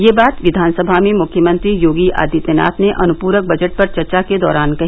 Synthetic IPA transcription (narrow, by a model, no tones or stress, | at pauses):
jeːbaːt̪ʋɪd̪ʱaːnsəbʱamẽmʊkʰjəmə̃nt̪ɾijoːɡia̰ːd̪it̪ena̰ːt̪neʔɐnʊpuːɾək̚bɐd͡ʒəʈ̚pɐɾt͡ʃɐɾt͡ʃaked̪ɔːɾaːnkɐɦiː